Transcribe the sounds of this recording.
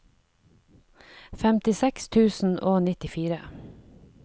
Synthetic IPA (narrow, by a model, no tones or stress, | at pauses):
fɛmt̪ɪsɛkst̪ʰʉːsn̩ʔoːnɪt̪ɪfiːɾə